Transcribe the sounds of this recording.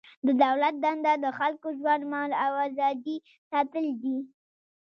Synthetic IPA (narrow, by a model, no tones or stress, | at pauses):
d̪əd̪awlat̪̚d̪and̪ad̪əxalkoʒwand̪maɑlawazɑd̪i | sɑt̪əld̪i